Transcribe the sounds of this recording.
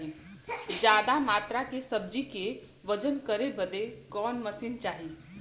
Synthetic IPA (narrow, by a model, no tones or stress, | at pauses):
i | d͡ʒjaːd̪amaːt̪ɾakesəbd͡ʒike | ʋəd͡ʒənkəɾebəd̪ekɔːnməsint͡ʃaːɦi